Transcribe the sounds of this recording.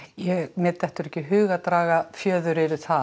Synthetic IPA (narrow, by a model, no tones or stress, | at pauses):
jɛɣmɛːt̪ːɛht̪ʏɾɛhcːɪɦʏːɣat̪ɾaːɣafjœːðʏɾɪɾɪ̥θa